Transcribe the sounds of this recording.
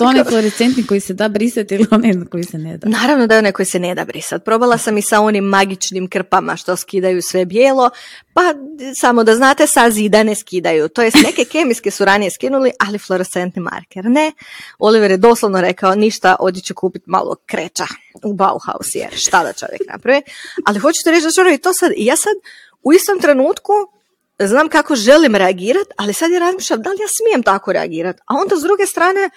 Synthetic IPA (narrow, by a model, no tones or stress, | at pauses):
t̪oneflˠoɾest̪sent̪niko̞jised̪aːbɾisat̪ilionenkojisened̪anaːɾaʋnod̪ajeo̞neko̞jise̞ned̪a̰bɾisat̪̚pɾo̞balˠasamisao̞nimːaɡit͡ʃnimkr̩pama̰ʃt̪o̞skid̪ajusʋe̞bjeːlˠo̞pasamod̪aznaːt̪e̞sazid̪aneskid̪ajut̪o̞jest̪neke̞ke̞miskesuɾanijeskinuliʔaliflˠo̞ɾet̪se̞nt̪nima̰ɾkeɾneo̞liʋeɾjed̪o̞slˠoʋnoɾe̞kaoniʃt̪aʔo̞̰d̪jet͡ɕekuːpit̪ma̰lˠo̰kɾet͡ʃa | uba̰ṵxa̰ṵsjḛɾʃt̪ad̪a̰t͡ʃo̞̰ʋjḛkkna̰pɾaʋialixo̞t͡ʃu̥t̪eɾe̞t͡ʃd̪at͡ʃonoit̪oːsad̪ijaːsad̪ | uist̪o̞mt̪ɾe̞nuːt̪ku | znaːmkako̞ʒe̞limɾeaɡiːɾat̪alisad̪jeɾazmiːʃʎʲamd̪alijaːsmijemt̪akoɾḛa̰ɡiːɾat̪ao̞nd̪azd̪ɾuɡe̞st̪ɾaːne̞